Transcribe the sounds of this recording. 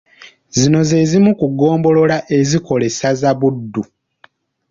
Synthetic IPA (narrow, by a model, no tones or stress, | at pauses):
zino̞ze̞zimukuɡo̞ːmbo̞lo̞laʔe̞ziko̞le̞sazaβudːu